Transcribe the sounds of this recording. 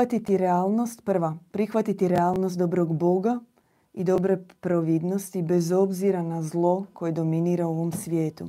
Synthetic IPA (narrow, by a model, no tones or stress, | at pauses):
at̪it̪iɾeaːlˠno̞st̪pr̩ʋapɾixʋat̪it̪iɾeaːlˠnost̪d̪o̞bɾo̞ɡbo̞ɡa | id̪o̞bɾepɾoʋid̪no̞st̪ibe̞zo̞bziɾanazlˠo̞kʰo̞je̞d̪o̞miniːɾao̞ʋo̞msʋje̞ːt̪ṵ